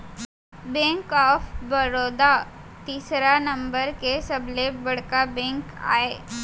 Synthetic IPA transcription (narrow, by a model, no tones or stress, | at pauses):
bẽːŋkɔːfbɐɾoːd̪a | t̪iːsɾanɐ̃mbəɾkesɐblebɐɽkabɛ̃ːŋka̰ːe